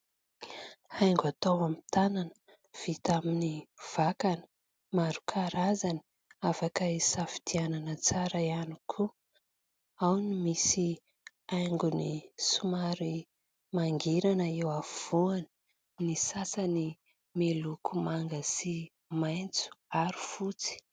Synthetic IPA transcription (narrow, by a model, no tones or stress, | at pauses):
ajŋɡat̪awamit̪ananə̥ | v̥it̪aminiv̥akanə̥ | maɾu̥kʰaɾazani̥ | afakəisafi̥t̪iananət͡saɾəianikʰu | awnimisi | ajŋɡunisumaɾi | maŋɡiɾanəewav̥uani̥ | nisasani | melukʰumaŋɡəsi | majnt͡su̥aɾufut͡si̥